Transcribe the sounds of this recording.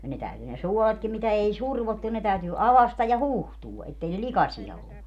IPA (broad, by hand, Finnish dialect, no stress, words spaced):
jɑ ne tæyty ne suoletkim mitæ ei surʋotːu ne tæytyː ɑʋɑstɑj jɑ huˑhtuː etːei ne likɑsiɑ olːu